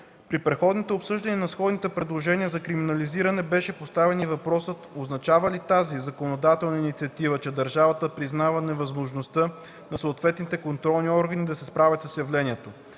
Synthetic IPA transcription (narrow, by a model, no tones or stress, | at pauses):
pɾipɾɛt̪xɔd̪nit̪ɛopsɤʒd̪ɐniənɐsxɔd̪nit̪ɛpɾɛd̪lˠoʒɛnʲiəzɐkɾiminɐliziɾɐnɛbɛʃɛpost̪avɛnivɐpɾɔsət̪oznɐt͡ʃavəlit̪azizɐkonod̪at̪ɛlˠnɐinit̪siɐt̪ivət͡ʃɛd̪ɐɾʒavɐt̪əpɾiznavɐnɛvɐzmoʒnost̪ɤ | nɐsoːt̪vɛt̪nit̪ɛkont̪ɾɔlˠniɔɾɡənid̪ɐsɛspɾavʲɐt̪səsjɐvlɛniɛt̪o